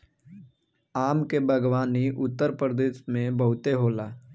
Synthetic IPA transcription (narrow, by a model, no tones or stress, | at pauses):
aːmkebʱəɡwaːniʔʊt̪ːəɾpɾəd̪eːʃmẽbəɦʊt̪eɦoːlaː